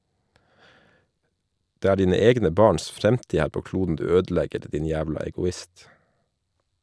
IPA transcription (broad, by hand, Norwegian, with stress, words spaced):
ˈdeː ˈæː ˈɖiːnə ˈɛɡnə ˈbɑːɳs ˈfɾɛmtiː ˈhæːɾ ˈpoː ˈkluːdn̩ ˈdʉː ˈøːdˌlɛɡəɾ ˈdiːn ˈjæːʋlɑ ɛɡʊˈɪst